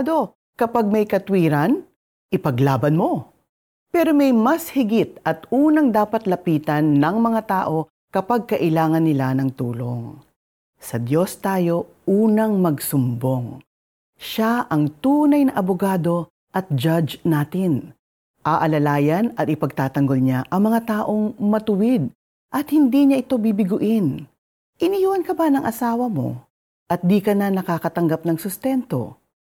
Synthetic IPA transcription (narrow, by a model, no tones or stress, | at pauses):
d̪o̞ | kɐpaɡ̚mɐjkɐt̪wiːɾɐn | ʔɪpɐɡlaːbɐnmo̞ | pɛːɾo̞mɛjmɐshɪɡɪt̪̚ʔɐt̪uːnɐŋd̪aːpɐt̪lɐpiːt̪ɐnːɐŋmɐŋat̪aːʔo̞ | kɐpɐɡ̚kɐʔɪlaːŋɐnːɪlanɐŋt̪uːloŋ | sɐd̪jo̞st̪aːjo̞ | ʔuːnɐŋmɐɡsʊmbo̞ŋ | ʃaʔɐŋt̪uːnɐjnɐʔɐbʊɡaːd̪o̞ | ʔɐt̪̚d͡ʒad͡ʒnaːt̪ɪn | ʔaʔɐlɐlaːjɐnɐt̪̚ɪpɐɡ̚t̪aːt̪ɐŋɡo̞lɲaʔɐŋmɐŋat̪aːʔo̞ŋmɐt̪ʊwɪd̪̚ | ʔɐt̪̚hɪnd̪iɲaʔɪt̪o̞bibɪɡʊʔɪn | ʔɪnijwɐnkɐbanɐŋʔɐsaːwɐmo̞̰ | ʔɐt̪̚d̪iːkɐnanɐkakɐt̪ɐŋɡap̚nɐŋsʊst̪ɛnt̪o̞̰